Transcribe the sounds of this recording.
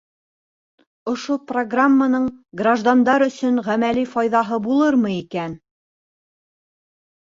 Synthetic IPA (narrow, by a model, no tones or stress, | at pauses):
ŏʃoproɡramːanɤɴɡraʒd̪and̪ɑɾɵ̆sɵnʁæmælifɑjðɑɦɤbulˠɤɾmɤikæn